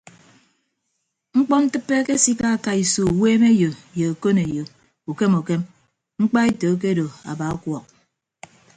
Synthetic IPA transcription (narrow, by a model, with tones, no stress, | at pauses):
ŋ͡m̩˦k͡pɔ˦n̩˦tɨ˦pːe˦ke˦si˦ka˦a˨ka˦i˨so˨weː˦me˦jo˨je˨o˨ko˦ne˨jo˨ | u˨ke˦mu˨ke˦m | ŋ͡m̩˦k͡pa˦e˦to˨˦k̬e˦do˨a̰˨ba˨a˦kwɔ˨k̚